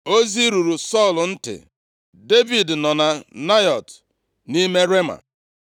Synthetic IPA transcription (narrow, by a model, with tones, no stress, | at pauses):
o˦zi˦ɾu˨ɾu˨sɔ˦˨ln̩˦tɪ̰˨ | de˦vi˨dnɔ˨na˨na˦jɔ˨t | ni˦me˦ɾe˦ma̰˨